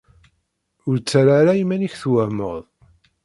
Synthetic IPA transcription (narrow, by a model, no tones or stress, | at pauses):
ʊɾt͡sːaɾaɾajimæniçθwæmə̰ðˤ